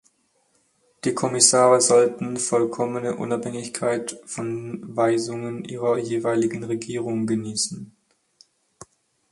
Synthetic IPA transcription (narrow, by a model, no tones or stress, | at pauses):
d̥iːkʰɔmɪsaːʁəzɔltn̩fɔlkʰɔmənəʔʊ̰naphɛŋɪçkʰaɪtfɔnvaɪzʊŋənʔiːʁɐjeːvaɪlɪɡŋ̩ʁeɡiːʁʊŋɡəniːsn̩